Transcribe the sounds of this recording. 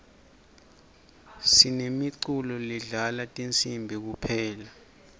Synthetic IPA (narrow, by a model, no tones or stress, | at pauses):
sinemiǀulɔliɮalatʼint͡sʼimbʱik̬upʰɛːla